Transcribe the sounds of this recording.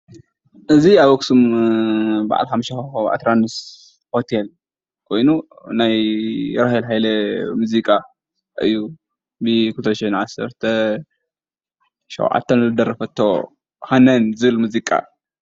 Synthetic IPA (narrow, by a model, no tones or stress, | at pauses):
ʔɨziaβwɔksum | ba̰ʕa̰lħamʃaʔa̰t̪ʰɾanɨs | hot̪ʰel | kʰo̞jnu | najɾahilɦajlɐmuzikʼa | ʔɨ̰jːu | bɨkult̪ʰʃnʕasɐ̰ɾt̪ʰɐ | ʃɐ̰wʕa̰t̪ʰːɐnzɨd̪ɐɾɐfɐt̪ʰːo | hanɐnzɨβɨlmuzikʼa̰